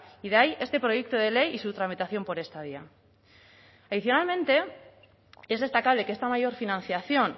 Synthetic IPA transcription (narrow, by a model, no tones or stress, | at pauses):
iðaje̞st̪e̞pɾo̞je̞k̚t̪oð̞e̞le̞jisut̪ɾamit̪aθjo̞mpo̞ɾe̞st̪aðia | aðiθjo̞nalmẽ̞nt̪e̞ | e̞zð̞e̞st̪akaβ̞le̞kest̪amaʝo̞ɾfinãn̟θjaθjo̞n